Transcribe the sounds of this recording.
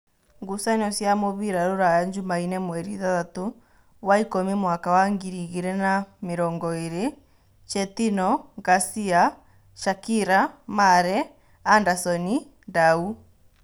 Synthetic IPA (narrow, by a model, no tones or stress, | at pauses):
ŋɡusanɔsjamoβiɾaɾoɾajaɲd͡ʒumainɛmwɛɾiðaðato | waikomimwakawaŋɡiɾiɣeɾɛnameɾɔːŋɡɔeɾe | t͡ʃɛtinɔɣasia | ʃakiɾamaɾɛː | ndasɔni | ndau